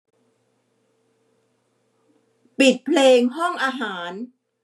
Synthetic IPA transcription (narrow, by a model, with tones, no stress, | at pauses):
pi˨˩t̪̚pʰleː˧ŋɦɔ˥˩ŋʔaː˧ɦaː˩˦n